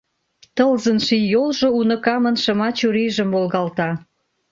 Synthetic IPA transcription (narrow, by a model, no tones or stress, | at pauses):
t̪əlzənʃijolʒŏunə̆kɑmənʃə̆mɑt͡ɕuɾiʒə̆mvolɣɑlt̪ɑ